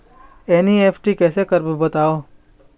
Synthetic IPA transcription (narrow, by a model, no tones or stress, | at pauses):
eːnieːpʰʈikɛːsekɐɾbbɐt̪aːoː